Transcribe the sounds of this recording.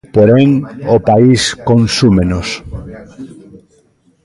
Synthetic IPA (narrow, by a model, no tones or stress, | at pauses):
poɾeŋopaiskõnsumenos